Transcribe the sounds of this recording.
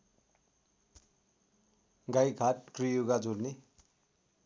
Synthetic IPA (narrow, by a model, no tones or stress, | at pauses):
ɡajɡʱaʈ̚krijuɡad͡zolne